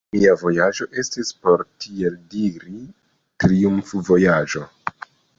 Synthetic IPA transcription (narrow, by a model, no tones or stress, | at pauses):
miavo̞jad͡ʒo̞ʔe̞stispo̞ɾtieldiɾi | tɾiumfvo̞jad͡ʒo̞